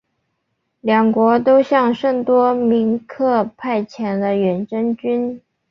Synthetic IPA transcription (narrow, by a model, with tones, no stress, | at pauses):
ljɑ˨˩ŋkwɔ˧˥t̪o˥ʊɕjɑ˥˧ŋʂɤ˥˩ŋt̪wɔ˥mi˧˥ŋkʰɤ˥˧pʰa˥˩ɪt͡ɕʰjɛ˧˥nd̪ə˧ɥɛ˧˥nʈ͡ʂɤ˥ŋt͡ɕy˥n